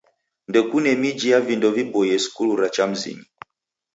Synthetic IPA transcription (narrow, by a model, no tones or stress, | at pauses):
ndɛkunɛmid͡ʒijavindɔvibɔjɛsi̥kuluɾat͡ʃam̩zḭɲi